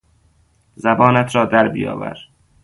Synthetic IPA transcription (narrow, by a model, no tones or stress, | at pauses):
zæbɒːnæt̪ʰɾɒːd̪æɾbijɒ̰ːvæ̰ɾ